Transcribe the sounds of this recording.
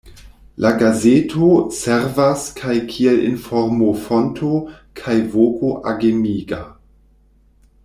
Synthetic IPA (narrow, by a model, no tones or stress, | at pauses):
lʔaɡazetʰoseɾvaskʰajkʰielḭnfoɾmofontʰo | kʰajvokoʔaɡemiɡa̰